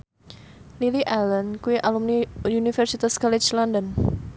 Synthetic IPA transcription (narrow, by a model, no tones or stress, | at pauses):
liliʔalənkuiʔalumniunifɛrsit̪askɔlit͡ʃlɔndɔn